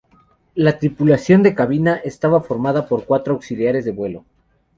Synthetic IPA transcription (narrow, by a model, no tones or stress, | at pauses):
lat̪ɾipulasjo̞nd̪e̞kaβinaʔest̪aβafo̞ɾmaðapo̞ɾkwat̪ɾoawksiljaɾe̞zðe̞βwe̞lo̞̰